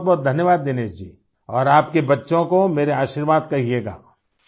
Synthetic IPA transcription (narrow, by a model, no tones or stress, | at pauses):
t̪̚bɔːt̪̚d̪ʱɐnjəʋaːd̪ːeːneːt͡ʃd͡ʒḭː | ɔːɾaːpkebɐtːʃõkomeːɾeaːʃiɾʋaːd̪kɐɦieːɡa̰ː